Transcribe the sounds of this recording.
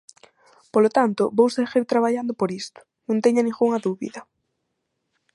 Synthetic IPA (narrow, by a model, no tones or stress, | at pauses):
polot̪ant̪ʊbowseɣiɾt̪ɾaβaʎand̪ʊpoɾist̪ʊ̥ | nũŋt̪ɛɲʊnĩŋɣuŋɐðuβḭðɐ